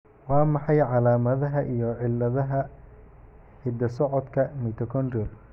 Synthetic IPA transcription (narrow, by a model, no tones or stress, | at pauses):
wɑːmɑħɑjʕɑlaːmɐðɐɦɐʔijɔʕɪlːɐðɐɦɐ | hɪd̪ɐsɔʕɔd̪kʰɐmit̪ʰɔkʰɔnɔl